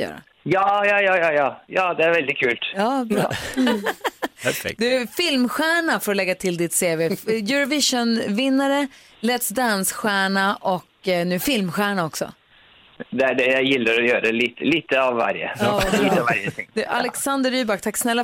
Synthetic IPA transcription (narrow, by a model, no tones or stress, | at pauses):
jœ̰ːɾa̰ | jɑːjɑːjɑːjɑːjɑːjɑːd̪ɛæɾvɛld̪ɪt̚kʰʉːlt̪jɑːbɾɑ̰ː | fɛ̰d̪ɵæfɪlmɧæːɳafœɾɔlɛɡːat̪ʰɪld̪ɪt̪seːveːjʉɾavɪʂɔnvɪnːaɾə | lɛt̪sd̪ansɧæːɳaʔɔknʉ̟æɾfɪlmɧæːɳaɔksɔ̰ | d̪ɛæɖɛjajɪlːaɾɔjœːɾaɛliːt̪əliːt̪əavːa̰ɾjə̰ɑiːvaɾjət̪ʰɪŋd̪ʉʔa̰lɛksand̪əɾyːbakt̪ʰaksnɛlːa